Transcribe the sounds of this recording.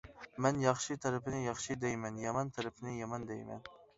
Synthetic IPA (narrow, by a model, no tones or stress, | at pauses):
mɛnjɑχʃit̪ʰɛɾɪpʰɪnɪjɑχʃɨd̪ɛjmɛnjɑmɑnt̪ʰɛɾɪpʰɪnɪjɑmɑnd̪ɛjmɛ̰n